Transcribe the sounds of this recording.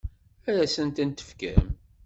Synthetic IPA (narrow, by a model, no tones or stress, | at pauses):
æɾæsənt̪ənt̪ə̥fkæ̰m